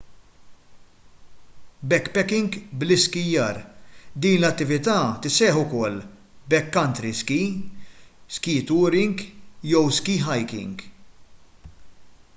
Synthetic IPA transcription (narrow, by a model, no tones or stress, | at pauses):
bɛkːpɛkɪŋɡblɪskɪjːɐːɾd̪iːnlɐt̪ːɪvɪt̪ɐːt̪ɪsɛːħʊkɔlː | bɛkːɐnt̪ɾiski | skiːt̪uːɾɪŋɡjɔwskiːɦɐjkɪ̰ŋɡ